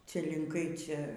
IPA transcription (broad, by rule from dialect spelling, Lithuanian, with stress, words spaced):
ˈt͡sʲɛ lʲɪŋˈkɐɪ ˈt͡sʲɛ